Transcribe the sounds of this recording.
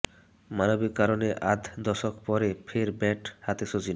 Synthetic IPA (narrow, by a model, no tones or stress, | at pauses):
manobikːaɾoneʔad̪ʱd̪ɔʃokpɔɾepʰeɾbɛʈhat̪eʃod͡ʑin